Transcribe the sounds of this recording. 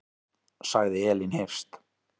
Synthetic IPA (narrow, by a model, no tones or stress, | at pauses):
saɣðɪɛːlɪnhɪɾ̥st̪